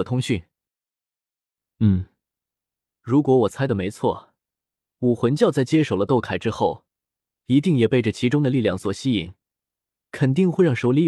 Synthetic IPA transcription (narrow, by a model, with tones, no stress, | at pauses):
t̪ʰʊ˥ŋɕy˥˩n | n̩˥˩ | ɻu˧˥kwɔ˧˥wɔ˨˩t͡sʰa˥ɪd̪ə˨me˧˥ɪt͡sʰwɔ̰˥˩ | wu˨˩xwə˧˥nt͡ɕjɑ˥˧ʊt͡sa˥˩ɪt͡ɕjɛ˥ʂo˨˩ʊlə˦t̪o˥˩ʊkʰa˨˩ɪʈ͡ʂɻ̩˥xo˥˩ʊ | i˧˥t̪i˥˩ŋjɛ˨˩pe˥˩ɪʈ͡ʂə˩t͡ɕʰi˧˥ʈ͡ʂʊ˥ŋd̪ə˨li˥˧ljɑ˥˩ŋswɔ˨˩ɕi˥ḭ˨˩ŋ | kʰə˨˩nt̪i˥˧ŋxwe˥˧ɪɻɑ˥˩ŋʂo˧˥ʊli˧˥